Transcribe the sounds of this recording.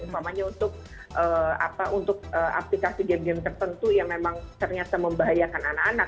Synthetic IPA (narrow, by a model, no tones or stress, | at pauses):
pamaɲaunt̪ʊk̚ | ʔəːa̰paʔunt̪ʊk̚əʔa̰plikasid͡ʒadiant̪ərt̪ənt̪ujaŋmemaŋt̪ərɲat̪aməmbaɦajakananakanak